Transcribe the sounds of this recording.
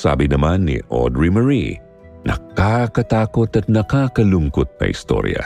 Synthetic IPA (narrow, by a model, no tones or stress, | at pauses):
sa̰ːbɪnɐmanːḭʔo̰d̪ɹimɐɹḭ | nʔɐ̰kakɐt̪aːkot̪ɐt̪̚nɐkakɐlʊŋkot̪̚nɐ̰ʔɪ̰st̪o̞̰ɾjɐ̰